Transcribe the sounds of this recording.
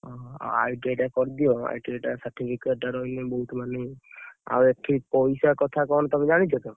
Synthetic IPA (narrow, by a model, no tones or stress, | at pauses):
ɔ̰̃a̰jʈeʈakɔɾd̪ijoa̰jʈeʈasəɾʈipʰikeʈaɾɔinebɔɦut̪maneja̰eʈʰːipɔjsakɔt̪ʰakɔñt̪ɔmẽd͡ʒaɽ̃it͡ʃʰɔt̪o